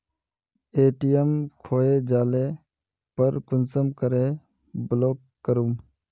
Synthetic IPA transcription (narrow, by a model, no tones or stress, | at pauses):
eːʈijemkʰoːeːd͡ʒaːleː | pəɾkʊnsəmkəɾeː | bloːkːəɾum